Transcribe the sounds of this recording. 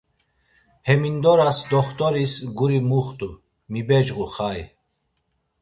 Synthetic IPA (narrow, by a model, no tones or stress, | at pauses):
hɛmind̪ɔɾasd̪ɔχt̪ʼɔɾisɡuɾimuχt̪ʼu | mibɛd͡ʒqʼuχaj